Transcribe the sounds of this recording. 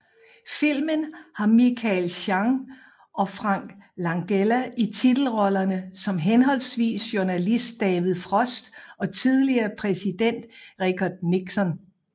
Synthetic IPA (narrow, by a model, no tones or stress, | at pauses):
fil̰mənhɑ̈mikʰælɕɑ̈ŋ | ʔɒ̽fʁɑ̈ŋ̰ɡ̥lɑ̈ŋɡ̥elæʔit͡sʰid̥l̩ʁɒ̽lɐnəsɒ̽mɦenɦɒ̽l̰sʋḭːsɕjuɐnælisd̥̚ːɛːʋið̩ˠfʁɒ̽sd̥ɒ̽t͡sʰiðˠliɐːpʰʁɛsid̥en̰d̥ʁikʰɒd̥niɡ̥sɒ̽n